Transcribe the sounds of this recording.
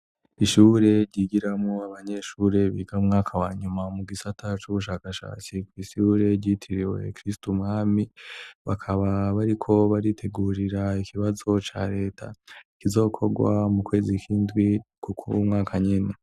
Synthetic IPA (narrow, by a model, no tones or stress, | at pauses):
iʃuɾe̞ɾɟiɡiɾamŋoaβaɲe̞ʃuːɾe̞βḭːɡaumŋaːkʰawaːɲumamuɡisatʰat͡ʃuβuʃaːkaʃa̰ːt͡sikwiʃuɾe̞ɾɟitʰiɾiwe̞̰kɾistumŋaːmiβakʰaβaβaɾikʰo̞βaɾitʰe̞ɡuːɾiɾaikʰiβazo̞t͡ʃa̰ɾe̞ːtʰa̰ikizo̞ːkʰo̞ɡwa̰mukwe̞ːzikʰiːndɡwikukʰumŋaːkʰaɲine